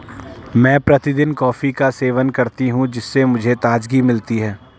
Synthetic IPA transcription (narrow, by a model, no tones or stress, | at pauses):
mɛ̃ːpɾɐt̪ɪd̪ɪnkɔːfikaseːʋənkɐɾt̪iɦũd͡ʒɪsːemʊd͡ʒʱet̪aːd͡ʒɡimɪlt̪iɦɛː